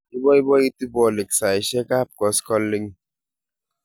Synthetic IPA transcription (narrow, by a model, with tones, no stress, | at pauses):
i˦bɔ˦i˦bɔ˦i˦ti˦bɔ˦˨le˨ksa˨i˨ʃɛ˦ka˦˨p̚kɔ˨skɔ˦lːi˦ŋ